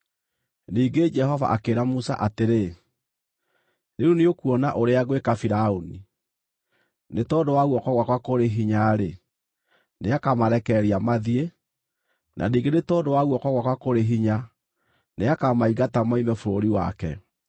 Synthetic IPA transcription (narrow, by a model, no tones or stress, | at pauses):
niːɡed͡ʒɛhɔva̰ʔakeɾamusa̰ʔateɾe | neuneokuɔnaʔoɾeaɣwekafiɾaoni | netɔːdowaɣuwɔkwaɣwakwakoɾeɦiɲaɾe | neakamaɾɛkɛɾiamaðie | nʔa̰niːɡenetɔːdowaɣwɔkwɔɣwakwakoɾeɦiɲa | neakamaiɣatamaimɛfoɾoɾiwa̰kɛ